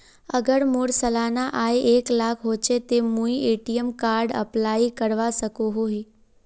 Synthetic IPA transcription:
əɡəɽmoɽsəlanaʔaeʔeklakʰɦot͡ʃʰet̪emũieʈijəmkaɾɖə̰plaikəɽʋasəkoɦoɦi

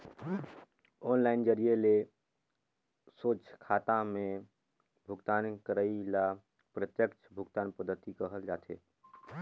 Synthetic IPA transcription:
ɔːnlaːɪnd͡ʒəɾiele | soːt͡ʃkʰaːt̪amẽ | bʱʊɡt̪aːnkəɾəila | pɾət̪jəkt͡ʃʰbʱʊɡt̪aːnpəd̪ʱːət̪ikəɦəld͡ʒaːt̪ʰḛː

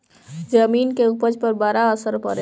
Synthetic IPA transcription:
d͡ʒəminkeupəd͡ʒpəɾbaɾaəsəɾpə̰ɾɛ

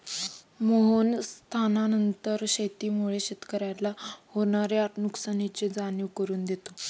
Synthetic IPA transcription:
moɦonst̪ʰananənt̪əɾɕet̪iːmuɭeɕet̪kəɾjalahoɳ̃aɾeaʈnuksanit͡ɕed͡zaɳjuʋkəɾuːnd̪et̪o

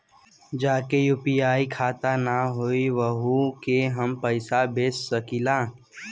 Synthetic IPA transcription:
d͡ʒaːkejuːpijaːikʰaːt̪anaɦoːiʋəɦukeɦəmpəɪsabeːsːəkilaː

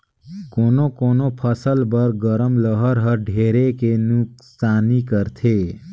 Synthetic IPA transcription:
konokonopʰʌsəlbʌɾɡʌɾəmləɦʌɾɦʌɾɖʱeɾekenuksanikəɾt̪ʰe

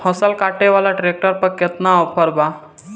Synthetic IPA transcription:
hɔsəlkaːʈeʋaːlaʈɾeːk̚ʈəɾpəɾkɪt̪naɔpʰəɾbaː

